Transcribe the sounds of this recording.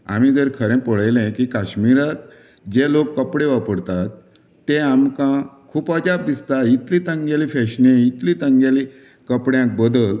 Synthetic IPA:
a̰mid̪eɾkʰəɾɛ̃pəɭajlɛ̃kikaɕmiɾat̪ | d͡ʑelokːəpɽeʋapəɽt̪at̪ː | eamkãkʰuːpəd͡ʑap̚d̪ist̪ait̪lĩt̪ə̃ŋɡjalifɛɕnẽit̪lit̪əŋɡjali | kəpɽjãk̚bəd̪əl

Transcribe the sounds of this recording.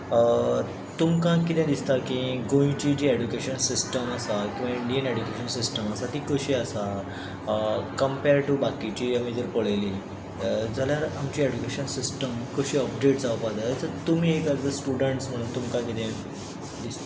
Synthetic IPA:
t̪umkãkit̪ɛ̃d̪ist̪akĩɡõĩt͡ɕid͡ʑiːeɖukeɕənsisʈəməsakiũʋaiɳɖijəneɖukeɕənsisʈəməsat̪iːkəɕiːəsa | kəmpeɾʈubakit͡ɕiːam̤it̪əɾpəɭeli | d͡zaljaɾamt͡ɕiːed͡ʑukeɕənsisʈəmkəɕiːɔp̚ɖeʈd͡zaʋpad̪at͡səɾt̪um̤iːekaɡd̪əsʈuɽəɳʈsm̤əɽ̃uːnt̪umkãkit̪ʰɛ̃ | d̪ist̪a

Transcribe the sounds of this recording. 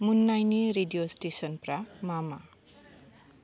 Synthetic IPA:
munːajneɾeɖijosʈesʌnpramama

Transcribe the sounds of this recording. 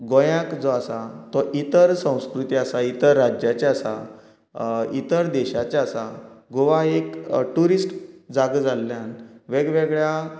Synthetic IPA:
ɡɔjãkd͡zɔasat̪ɔʔit̪əɾsə̃w̃skɾut̪iasait̪əɾːad͡ʑjat͡ɕaasa̰ | it̪əɾd̪ɛɕat͡ɕasaɡoʋaekʈuɾisʈd͡zaɡəd͡zalːjãnʋeɡʋeɡɭja

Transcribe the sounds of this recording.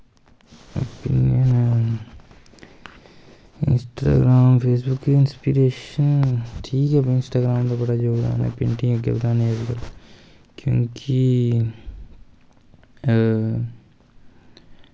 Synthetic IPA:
o̰pḭnjən | ɪ̰nsʈa̰ːɡɾaːmpʰeːs̬bʊkːiɪnspiɾeːʃənʈʰiːkɦɛpɪ̃nsʈaːɡɾaːmt̪opɐʈad͡ʒoːɡd̪a̰ːnḛpḛ̃ɳʈĩŋekːḛbd̪ãːneekɡɐl | kjõːkʰi

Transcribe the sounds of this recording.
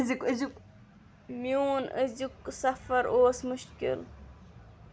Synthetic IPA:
zikəzuk | miuːnəzuksɐfɐɾʔoːsmuʃkḭl

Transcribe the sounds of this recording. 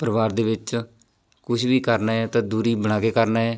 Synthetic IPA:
pɾəʋaːɾd̪eːʋɪt͡ʃ | kʊʃbiːkəɾnaːɛːt̪ãːd̪uːɾiːbəɽ̃aːkeːkəɾnaːɦɛː

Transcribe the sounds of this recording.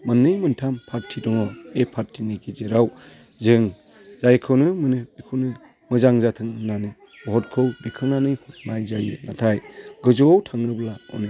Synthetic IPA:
manːɯjmɯntʰampʰaɾtʰːidɔŋɔepʰaɾtʰinikʰizeɾaw | zɯŋ | zajkʰɯwnɯmɯnɯbikʰɯwnɯ | mɯzaŋzatʰɯŋɯnanɯ | bɔɦɔt̚kʰɯwbikʰɯnanɯjmajzajinatʰajɡɯzuwawtʰaŋɾɯblaɔ̰nɯ

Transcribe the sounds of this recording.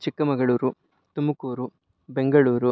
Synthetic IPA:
t͡ʃikːɐmɐɡɐɭuːɾu | t̪umɐkuːɾu | beŋɡɐɭuːɾu

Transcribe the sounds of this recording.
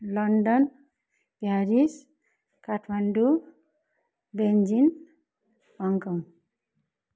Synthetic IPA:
lʌɳɖʌn | b̥jaɾis | kaʈʰmaɳɖu | bend͡ʒin | hʌŋkʌŋ

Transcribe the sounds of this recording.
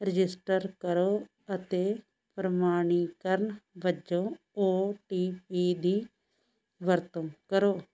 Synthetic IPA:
ɾɪd͡ʒɪsʈəɾkəɾoː | ət̪eː | pɾəmaːɳ̃iːkəɾɳʋəd͡ʒõː | oːʈiːpiːd̪iː | ʋəɾt̪ə̃kəɾoː

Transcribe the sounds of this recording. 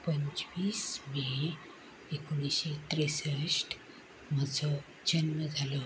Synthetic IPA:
pəɲt͡ɕʋiːsme | ekoniɕet̪ɾesəʂʈ | məd͡zʱɔ | d͡ʑənməd͡zʱalɔ

